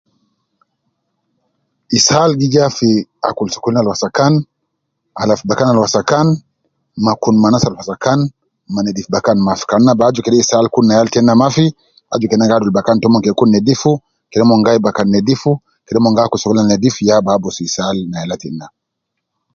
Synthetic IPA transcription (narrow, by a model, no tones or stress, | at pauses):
isalɡid͡ʒafia̰kulsu̥kulinalwasakan | alafubakanalwasakan | makunmanasalwasakan | manɛdifbakanmafi̥kanːabad͡ʒukɛɗɛisalkunnːajaltɛnːamafi | a̰d͡ʒukɛnaŋɡadulbakantɔmɔŋkɛkunːɛdifu | kɛlɛmɔŋɡaibakanːɛdifu | kɛɗɛmɔŋɡakulsɔkulinanɛdifujababɔsuisalnaalatɛ̰nːa